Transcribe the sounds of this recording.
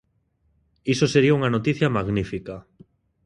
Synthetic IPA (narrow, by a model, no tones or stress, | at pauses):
isoseɾiauŋanot̪iθjamaɣnifika